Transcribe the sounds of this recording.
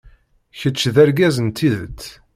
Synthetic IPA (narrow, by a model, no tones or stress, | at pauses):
çət͡ʃːðæɾɡæzənt̪ʰːiðət̪